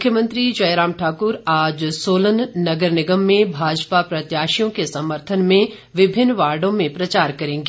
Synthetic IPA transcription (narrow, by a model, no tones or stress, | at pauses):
mʊkʰjəmə̃nt̪ɾid͡ʒɐjɾãːmʈʰaːkʊɾaːd͡ʒsoːlənnɐɡəɾnɪɡəmːẽbʱaːd͡ʒpapɾɐt̪jaːʃijõkesɐməɾt̪ʰənmẽ | ʋɪbʱɪnːʋaːɾɖõmẽpɾɐt͡ʃaːɾkɐɾẽːŋɡe